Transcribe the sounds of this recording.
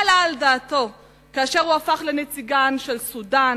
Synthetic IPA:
alaldaːto̞ | kaːʃeʁuafaχlenet͡siɡanʃelsudan

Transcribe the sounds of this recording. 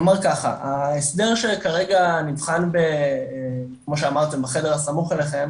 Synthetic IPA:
maʁkaχa̰ʔaesd̪e̞ʁʃe̞kaʁe̞ɡanivχanbe̞ | kmoʃ̬eamaʁt̪e̞mbaχede̞ʁasamuχeleχe̞m

